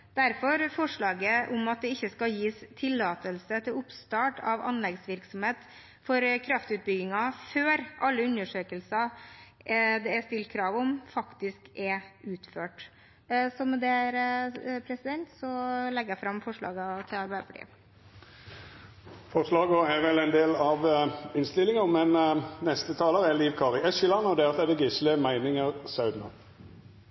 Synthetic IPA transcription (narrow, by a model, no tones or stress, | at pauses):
d̪̥æɾfɔɾfɔʂɭɑːɡəʔɔmɑt̪̚d̪ɛɪçːəskɑljiːst̪ʰɪlːɑːt̪əlsət̪ʰɪlʊpst̪ɑːʈɑʋɑ̰nlɛɡsʋɪɾksɔmheːt̪ | fɔɾkʰɾɑft̪ʉːt̪̚bʏɡɪŋɑføːɾʔɑlːəʉnəʂøːkəlsɑ | d̪ɛæst̪ɪlkʰɾɑːʋɔmfɑkt̪ɪskɛʉːt̪føːʈ | sɔmɛd̪ɛæɾpʰɾɛsɪd̪ɛnt̪sɔlɛɡəjæfɾɑmːfɔʂɭɑ̰ːɡət̪ʰɪlɑɾbæɪd̪əpɑʈʰḭːə | fɔʁʂlɑːɡəɛʁʋɛlæɪnd̪eːlɑʋɪnst̪ɪlːɪŋəmɛnnɛst̪ət̪ʰɑːləʁɛliːʋkʰɑːʁɪɛʃəlɑnɔd̪ɛːɑt̪ɛd̪ɛɡɪsləmæɪnɪŋəʁsɑʉd̪nɑ̰